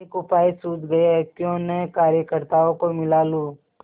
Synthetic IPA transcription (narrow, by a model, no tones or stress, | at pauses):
ekʊpaːisuːt̪ɡɐeɦɛkjõːnɐkaːɾjəkəɾt̪aːõkomɪlaːluː